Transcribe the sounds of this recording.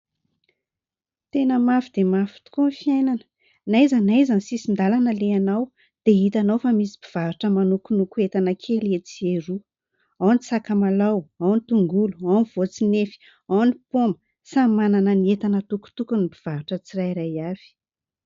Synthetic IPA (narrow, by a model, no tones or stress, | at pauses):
t̪enəmafid̪̥emafi̥t̪u̥kunifiajnanə̥ | naizanajzanisisind̪alanəleanaw | d̪̥eit̪anowfamisi̥b̥iv̥avaʈ͡ʂəmanukunukuet̪anəkʰelet͡sieɾu | awnisakamalawawnit̪uŋɡuluawniv̥ot͡sinefi̥ | awnipombə̥ | samananəniet̪anət̪uku̥t̪ukunibiv̥avaʈ͡ʂət͡sirajɾajav̥i̥